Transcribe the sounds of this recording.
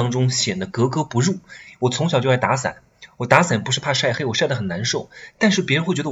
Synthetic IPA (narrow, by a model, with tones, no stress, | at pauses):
ŋʈ͡ʂʊ˥ŋɕjɛ˨˩nd̪ə˦kɤ˧˥kɤ˥pu˧˥ɻu˥˩wɔ˨˩t͡sʰʊ˧˥ŋɕɑ˨ʊt͡ɕjo˥˩la˧˥ɪt̪a˧˥sa̰˨˩˦n | wɔ˨˩t̪a˧˥sa˨˩npu˧˥ʂɻ̩˥˧pʰa˥˧ʂa˥˩ɪxɪwɔ˨˩ʂa˥˩ɪd̪ə˩xə˨˩na˧˥nʂo˥˩ʊt̪a˥˧nʂɻ̩˥˩p̬jxe˥˩ɥɛ˧˥ə˧˩